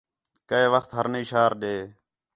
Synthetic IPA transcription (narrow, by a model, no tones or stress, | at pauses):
kəeːʋəxt̪ɦəɾniːʃaːɾɗeː